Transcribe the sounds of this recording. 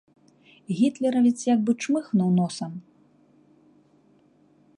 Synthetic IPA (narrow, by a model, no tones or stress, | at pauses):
ɣʲit̪lʲɛɾɐvʲit͡s̪ʲjaɡ̚bɨt͡ʂmɨxnɐwnɔsɐm